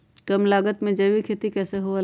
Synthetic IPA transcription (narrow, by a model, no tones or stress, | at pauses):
kəmlaːɡət̪mẽd͡ʒɐʋikʰeːt̪ikɛːseɦoa